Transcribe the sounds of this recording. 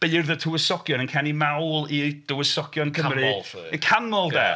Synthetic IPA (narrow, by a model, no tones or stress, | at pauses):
b̥erðətʰuwəsɔkjɔnənkʰɛnimawlˠid̥ʊwəsɔkjɔnkʰəmɾikʰanɔlˠdɛ̰